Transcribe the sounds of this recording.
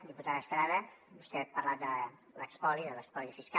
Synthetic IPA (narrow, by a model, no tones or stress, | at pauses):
d̪iput̪aðəst̪ɾaðəbust̪ɛpaɾlat̪̚d̪ə | lə̰kspɔliðələkspɔlifiska